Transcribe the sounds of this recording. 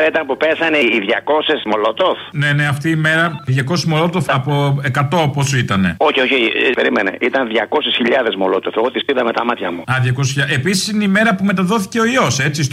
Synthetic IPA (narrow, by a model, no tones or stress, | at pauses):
ɾɐit̪ɐnpupesɐneiðʝɐko̞sesmo̞lot̪ofne̞ne̞ɐft̪iːme̞ɾɐðʝɐko̞semolo̞t̪ofɐpoe̞kɐt̪o̞oposit̪ɐne̞oçioçepe̞ɾimene̞̰ʔit̪ɐnðʝɐko̞sesçiʎɐðe̞zmolo̞t̪ofeɣo̞t̪ispiðɐme̞t̪ɐmɐt̪çɐmuɐðʝɐkosisçaʔepisi̥sineime̞ɾɐpume̞t̪ɐðo̞θi̥ce̞o̞io̞se̞t͡sis